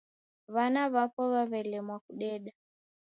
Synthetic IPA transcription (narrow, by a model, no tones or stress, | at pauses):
βanaβapɔβaβɛlɛmwakuɗɛɗa